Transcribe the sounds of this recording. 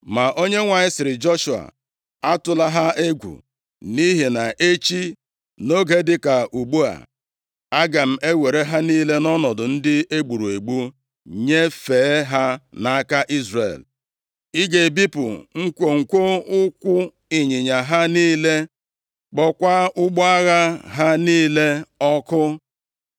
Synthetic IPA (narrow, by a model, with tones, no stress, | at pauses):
ma˨ʔo˦ɲe˦ŋʷa˨ɲɪ˦sɪ˨ɾɪ˨d͡ʒɔ˦ʃu˨a̰˨ | a˦tʊ˨la˦ɦa˦e˦ɡʷṵ˨ | ni˦ɦe˨na˨ʔe˦t͡ʃi˦ | no˦ɡe˦dɪ˦ka˨ʔu˨ɡ͡bu˦a̰˨ | a˦ɡa˨m̩˨e˦we˨ɾe˦ɦa˦niː˦le˦nɔ˦nɔ˨dʊ˨n̩˦dɪ˦e˦ɡ͡bu˨ɾu˨e˨ɡ͡bu˦ | ɲe˦feː˨˦ɦa˦na˨a˦ka˦ʔi˦zrḛ˨l | i˦ɡe˨bi˦pʊ̰˨ŋ̩˦kʷo˨ŋ̩˨kʷo˦ʊ˦kʷʊ˦ | i˨ɲi˨ɲa˨ɦa˦niː˦le˦ | k͡pɔ˦kʷa˦ʊ˦ɡ͡bɔ˦a˦ɣa˦ɦa˦niː˦le˦ɔ˦kʊ˦